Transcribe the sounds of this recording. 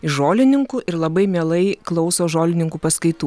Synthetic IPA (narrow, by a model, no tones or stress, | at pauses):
ɪʒoːlʲɪnʲɪŋkuʔɪɾlˠɐbɐɪmʲeːlˠɐɪklˠɒʊsoːʒoːlʲɪnʲɪŋkuːpɐskɐɪt̪uː